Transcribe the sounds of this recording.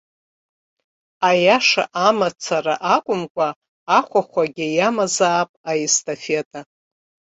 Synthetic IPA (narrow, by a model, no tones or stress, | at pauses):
ajaʂa̰ʔamat͡sʰaraʔakʷʼʊmkʷʼaː | χʷaχʷaɡʲɪjamazaːpʼaistʰʼafetʼa